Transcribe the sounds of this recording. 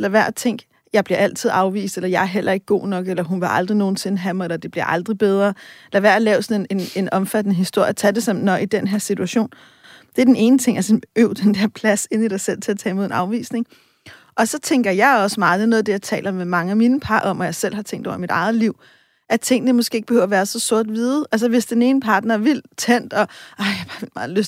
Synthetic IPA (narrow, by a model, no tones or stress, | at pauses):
lɐʋæɐ̰dt͡sʰeŋ̰ɡ̥ | jɑ̈ɪb̥liɐæl̰t͡sʰið̞̰ˠɑ̈ʊʋḭːsd̥elɐjɑ̈æɐɦel̰ʔɐe̝ɡ̥̚ːɡo̝̰ːnɒ̽ɡ̥elɐɦunʋeʔɑ̈ld̥ʁino̝ːn̩se̝nəɦæmɑelɐd̥e̝b̥liɐʔɑ̈ld̥ʁib̥eð̞ˠʁɐelɐʋæɐ̰lɛːʊsɒ̽nene̝ne̝nɒ̽mfæd̥nəɦisd̥o̝ɐ̰jt͡sʰæd̥e̝sɑ̽mn̩ːɒ̽ʔid̥enɦeɐsit͡sʰuæɕo̝̰ːn | d̥e̝æɐd̥ene̝ːnət͡sʰe̝ŋ̰ʔæsøʊd̥end̥eɐ̰pʰlæse̝n̰id̥ɑ̈ɪsel̰t͡sʰe̝æɐt͡sʰɛ̰ːmo̝enɑ̈ʊʋḭːsne̝ŋ | ʔɒ̽sɒ̽t͡sʰeŋɡ̥ɐjɑ̈ɪɒ̽səmɑ̈ːð̩ˠnɔ̽ːð̩ˠd̥e̝jɑ̈ɪt͡sʰɛ̰ːlɐɒmemɑ̈ŋəæminəpʰɑ̈ːʔɒ̽mɒjɑ̈ɪsel̰hɑ̈t͡sʰeŋ̰ɡ̥d̥ɒʊ̰ɐmid̥ɑ̈ɪð̩ˠliʊ̰ | ʔæt͡sʰe̝ŋ̰ənəmɔsɡ̥e̝̰ːeɡ̥b̥ehøʊ̰ɐʋæːɐsɒ̽sɔɐ̰d̥ʋiːðˠʔælsɐʋe̝sd̥ene̝ːnəpʰɑ̈ːd̥nɐʋil̰t͡sʰen̰d̥ɒ̽ʔɑ̈ɪjɑhb̥ɑ̈ːʋilmɑ̈ːð̩ˠløs